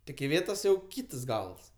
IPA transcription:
tʲɪk ɪˈʋʲeːtoːs jɛʊ ˈkʲiːtɐs ˈɡɐlˠs

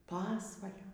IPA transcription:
ˈpɑːsʋɐlʲoː

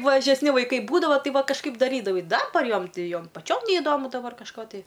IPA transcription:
mɐʒʲɛsʲˈnʲɪ ʋɐɪˈkɐɪ ˈbuːdɐʋoː ˈtɐɪ ˈʋɐ kɐʃˈkɐɪp dɐˈrʲiːdɐʋɐɪ ˈdɑːbɐr ˈjoːm ˈtʲɪ ˈjoːm pɐˈt͡ʃʲoːm nʲɛɪˈdoːmʊ dɐˈbɐr kɐʃˈkoː tɐɪ

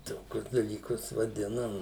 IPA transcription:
ˈtoːkʲʊs dɐlʲiːˈkʊs ʋɐˈdʲɪnɐm

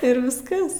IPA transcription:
ɪr ʋʲɪsˈkɐs

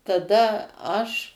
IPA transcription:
tɐˈdɐ ɐʃ

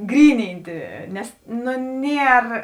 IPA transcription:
ˈɡrʲiːnʲɪnʲtʲɪ ˈnʲɛs ˈnʊ ˈnʲiɛr

